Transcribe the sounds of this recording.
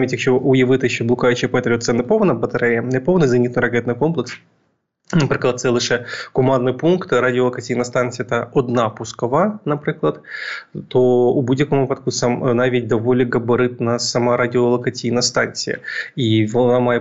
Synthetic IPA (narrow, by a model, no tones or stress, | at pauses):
mʲɪtʲɪkɕooʔʊjɪvɨt̪əjɪɕːoblˠʊkajʲɪɕɪjpɐɛt̪ɐɾʲot̪sɛnːɨpovəd̪ɐvbət̪ɐɾʲɛɛɨpovənɨzɐnʲit̪nɨɾɐkʲet̪nɨko̞mplʲɪks | nɐpɾʲɪklˠɐt̪sɛlˠɨʂɨkʊmannɨjpunkt̪ɾadʲɪolˠəkɐtʲijinɐst̪ansʲɨjɛt̪əod̪napʊskɐvanɐpɾʲɨklˠət̪t̪oʊbudʲɪkʊmapɐt̪kusɐmnavʲetʲd̪ɐvolʲɪɡəbɨɾɨt̪̚nəsɐmaɾadʲɪolˠəkɐtʲiːnɐst̪anʲsʲɨ̰jə̰ivonamaj